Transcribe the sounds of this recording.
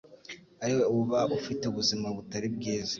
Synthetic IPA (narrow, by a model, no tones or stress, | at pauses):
aɾiweuuβaʔufiteuβuzimaβutaɾib̚ɡiːza